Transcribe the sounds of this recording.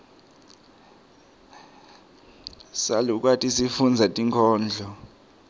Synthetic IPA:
saluk̬watʼisifund͡zʱatʼiŋkʰɔːnd͡ɮʱɔ

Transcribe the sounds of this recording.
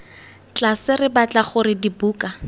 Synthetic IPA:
t͡ɬasɪrɪbat͡ɬʼaχʊrɪdibuːkʼa

